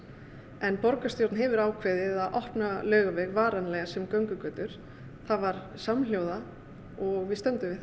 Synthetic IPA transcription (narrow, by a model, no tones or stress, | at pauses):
ɛnpɔɾkast̪jowɾt̪nɦɛvʏɾaːwkʰvɛːðɪðaðʔɔhpnalœːɣʏvɛɣvaːɾanlɛːɣasɛmkœɥŋkʏkœːt̪ʏɾ̥ | θavaɾ̥ | samljowða | ɔɣvɪðst̪œnt̪ʏmɪ